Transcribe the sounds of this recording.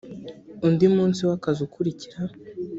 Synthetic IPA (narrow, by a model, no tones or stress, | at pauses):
undimuːnsiwakazukuɾiciɾa